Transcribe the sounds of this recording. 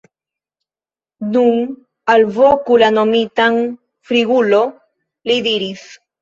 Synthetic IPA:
nuŋ | alvokulanomit̪aŋ | fɾiɣulo | lid̪iɾis

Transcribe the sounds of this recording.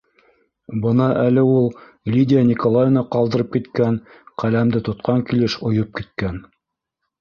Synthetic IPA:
bɤnɑʔælɘulˠ | lʲidʲɪjanʲikolˠajnɑqɑlˠd̪ɤ̆ɾɤp̚kit̪kæn | qælæmd̪ɘt̪ŏt̪qɑŋkilɘʃŏjɤp̚kit̪̚kæn

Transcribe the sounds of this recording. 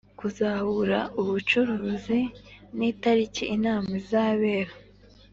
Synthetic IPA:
kuzahuɾauβut͡ʃuɾuːziniːtaɾiciʔːnaːmɡizaːβeːɾa

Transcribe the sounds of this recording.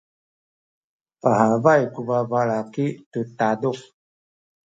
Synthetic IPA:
paɦavajkubavalakitutado

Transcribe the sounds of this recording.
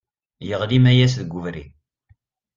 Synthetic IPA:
jəʁlimæjæsðəɡːʊvɾḭ

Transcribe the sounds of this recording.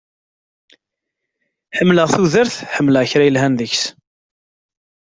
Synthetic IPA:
ħəmːləʁθuðəɾθħəmːləʁçɾæjəlɦænðəçs

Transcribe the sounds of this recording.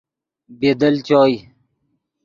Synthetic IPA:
beːd̪əlt͡ɕɔːj

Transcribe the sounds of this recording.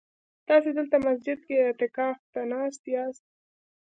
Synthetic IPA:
t̪ɑsed̪əlt̪amasd͡ʒɪd̪̚keɪt̪ɪkɑft̪anɑst̪jɑst̪̚

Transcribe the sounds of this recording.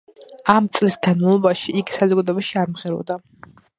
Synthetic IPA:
amt̪sʼlisɡanmavlˠɔbaʃiiɡisazɔɡad̪ɔɛbaʃiaɾmʁɛɾɔ̰vd̪a

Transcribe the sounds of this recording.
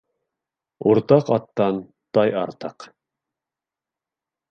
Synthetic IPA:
uɾt̪ɑqɑt̪ːɑn | t̪ɑjɑɾt̪ɑq

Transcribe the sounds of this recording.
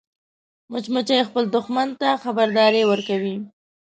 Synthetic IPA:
mʊt͡ʃmʊt͡ʃajexpəld̪ʊxmant̪axabaɾd̪ɑɾewəɾkawi

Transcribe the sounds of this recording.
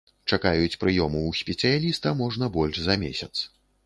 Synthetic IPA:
t͡ʂakajut͡sʲpɾɨjɔmuwsʲpʲɛt̪sɨjalʲist̪ɐmɔʐnɐbɔlʲʐzɐmʲḛsʲɐt̪s

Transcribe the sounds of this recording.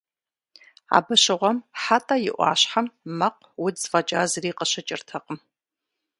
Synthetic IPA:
a̰ːbɐɕɪʁʷɔmħatʼɐjɪ̰ʔʷɑ̰ːɕħamːɐq̚ | wʊdzfɐd͡ʒʼaːzɨriːqəɕɐt͡ʃʼɪ̰rtʰɐqəm

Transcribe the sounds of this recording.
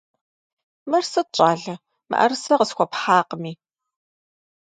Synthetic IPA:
mɐrsɐt͡ʃʼaːɮɐ | mɐ̰ʔɐ̰rsɐqəsxʷɔpħaːqəmiː

